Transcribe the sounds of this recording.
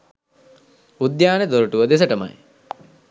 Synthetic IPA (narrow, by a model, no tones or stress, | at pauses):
ud̪jaːned̪oɾuʈuʋəd̪es̬əʈəma̰j